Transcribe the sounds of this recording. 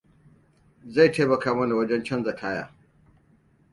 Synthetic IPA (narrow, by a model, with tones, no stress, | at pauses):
za˦˨jtʰeː˦mɐ˨kʰaː˨˦mɐ˦na˨wɐ˦d͡ʒɛ˦nt͡ʃɐ˦nzɐ˨kʰaː˦ja̰ː˦˨